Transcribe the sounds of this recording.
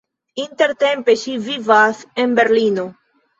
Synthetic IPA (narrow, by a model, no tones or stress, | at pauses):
int̪e̞ɾt̪e̞mpe̞ʃivivase̞nbe̞ɾlino̞